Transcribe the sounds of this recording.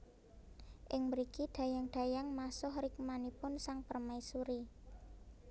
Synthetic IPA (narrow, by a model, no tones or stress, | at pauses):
ʔɪŋməɾikid̪̥ä̤jaŋɖ̪̥a̤jaŋmasʊhrɪk̚manipʊnsaŋpərmaisuɾi